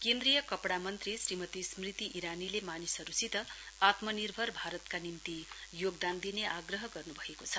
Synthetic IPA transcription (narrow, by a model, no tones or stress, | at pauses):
kend̪ɾijʌkʌpɽamʌnt̪risrimʌt̪ismrit̪iʔiɾanilemanisʌɾusit̪ʌ | at̪mʌnirbʱʌrbʱaɾʌt̪kanint̪ijoɡd̪and̪ineʔaɡrʌɦʌɡʌrnubʱʌekot͡sʰʌ